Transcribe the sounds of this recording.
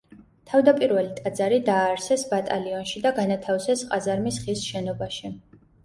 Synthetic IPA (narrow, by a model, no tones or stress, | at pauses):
t̪ʰavd̪apʼiɾvɛlit̪ʼad̪zaɾid̪aːɾsɛsbat̪ʼaliɔnʃid̪aɡanat̪ʰafsɛsqʼazaɾmisχisʃɛnɔbaʃi